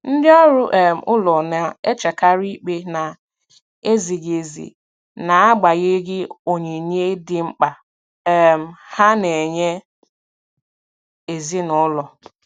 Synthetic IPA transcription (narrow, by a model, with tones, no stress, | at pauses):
n̩˦dɪ˦ɔ˦ɾʊ˦ʔɛ˨m̩˨ʔʊ˦lɔ˨na˨e˦t͡ʃa˨ka˦ɾi˦k͡pe˦na˨ | e˦zi˨ɡe˨zḭ˨ | na˨a˦ɡ͡ba˨ɣɪ˦ɡɪ˦o˨ɲe˨ɲe˦dɪ˦ŋ͡m̩˦k͡pa˨ | m̩˨ha˦ne˨ɲe˦ | e˨zi˦nʊ˦lɔ˨